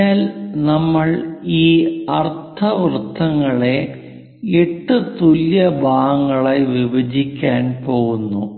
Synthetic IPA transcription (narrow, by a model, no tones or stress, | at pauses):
aːlnɐmːɐɭiːɐrt̪ʰɐʋrɨt̪ʰːɐŋːɐɭe̞ | eʈːɨt̪uljɐbʱaːɣɐŋːɐɭajʋibɐd͡ʑikʲːaːnpo̞ːɣunːu